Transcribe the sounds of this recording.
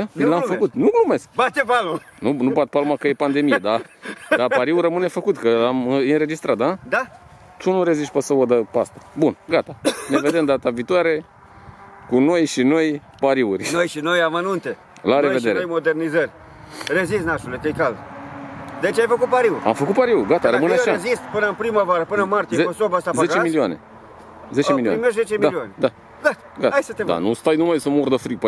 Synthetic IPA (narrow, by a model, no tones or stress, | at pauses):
lamfəkut̪nulume̞skbat̪epalmanunubat̪̚palmakəjepand̪e̞mijed̪ad̪apaɾiurəmɨne̞fəkut̪kəamɨɨnɾe̞d͡ʒist̪ɾat̪̚d̪ad̪a | t̪unuɾeziʃpəsəod̪əpast̪ḁbunɡat̪aneve̞d̪e̞md̪at̪aviːt̪uaɾe̞ | kuno̞jʃino̞jpaɾiurʲnojʃinojamənunt̪e | laɾeved̪e̞ɾeojmo̞d̪e̞rnizərʲ | rezis̬naʃulek̪ekal | d̪et͡ʃajfəkut̪̚paɾiuɾʲa̰mfəkut̪̚paɾiuɡat̪aɾəmɨneaʃazist̪pɨnəɨnpɾimavaɾəpɨnəɨnmart̪ijeost̪obast̪azaeɡt͡ʃemilioane̞̰ | ze̞emiliaimeʃzet͡ʃemialioaned̪a | ɡat̪aɡat̪ajsət̪ed̪a̰nust̪ajnumajsəmurd̪əfɾip